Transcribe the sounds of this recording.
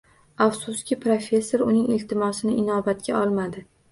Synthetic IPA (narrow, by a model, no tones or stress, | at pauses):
afsuskʲɪpɾofʲe̞sːoɾʊnɪŋɪlt̪ʰɪmɒsɪnɪʔɪnɒbat̪kʲaɒlˠmad̪ɪ